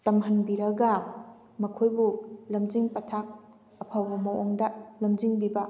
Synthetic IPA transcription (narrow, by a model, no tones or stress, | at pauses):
tɐmɦɐnbiɾɐɡɐ | mɐkʰojbulɐmd͡ʒiŋpɐtʰak̚ | ɐpʰawbɐmɐwoŋdɐlɐmd͡ʒiŋbibɐ